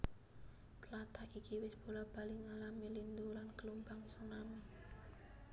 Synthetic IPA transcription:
t̪əlat̪aʔikiwɪsb̥o̤lab̥a̤lɪŋalamilind̪ulankəlumbaŋsunami

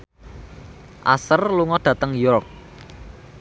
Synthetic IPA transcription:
ʔa̰sərluŋɔɖ̥ä̤t̪əŋjɔrk̚

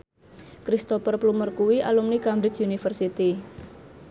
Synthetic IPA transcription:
kɾist̪ɔpərplumərkuwiʔa̰lumnikamɾɪt͡ʃunifərsit̪i

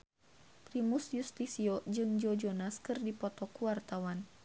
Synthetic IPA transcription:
pɾimusjust̪isiɔd͡ʒɨŋd͡ʒɔd͡ʒɔnaskɨrdipɔt̪ɔkuwart̪awan

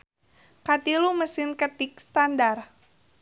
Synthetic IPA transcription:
kat̪iluməsɪnkət̪ɪk̚st̪andar

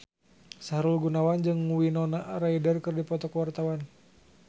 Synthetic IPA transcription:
saɾulɡunawand͡ʒɨŋːuwinɔnaʔraidərkɨrdipɔt̪ɔkwart̪awan

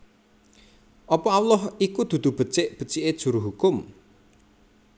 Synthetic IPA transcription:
ʔɔpɔawlɔɦikud̪̥ṳd̪̥ṳb̥ə̤t͡ʃɪʔb̥ə̤t͡ʃɪʔed̥ʒ̥ṳɾuɦukʊm

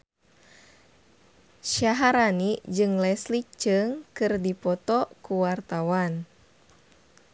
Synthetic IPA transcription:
ʃaɦaɾanid͡ʒɨŋlɛslit͡ʃɨŋkɨrdipɔt̪ɔkuwart̪awan

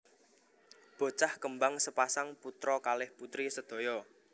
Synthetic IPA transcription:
b̥o̤t͡ʃahkəmbaŋsəpasaŋput̪ɾɔkalɪhput̪ɾisəd̪̥o̤jɔ

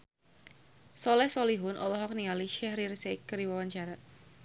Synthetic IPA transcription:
sɔlɛhsoliɦʊnʔɔlɔɦɔk̚niŋaliʃɛhɾirsekːəɾiwawaɲt͡ʃaɾat̪̚

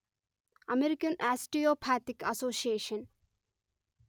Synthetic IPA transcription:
ɐmeɾikɐnʔasʈiopʰaːt̪ikɐsoːsieːʃɐn

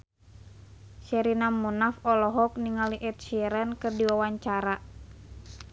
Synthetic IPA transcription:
ʃɛɾinamunafɔlɔɦɔk̚niŋaliʔɛt̪̚ʃiɛɾənkɨrdiwawaɲt͡ʃaɾa

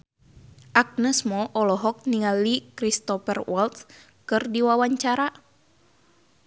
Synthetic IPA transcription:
ʔak̚nəsmɔʔɔlɔɦɔk̚niŋalikɾist̪ɔpɛrwɔlt̪ | kɨrdiwawaɲt͡ʃaɾa

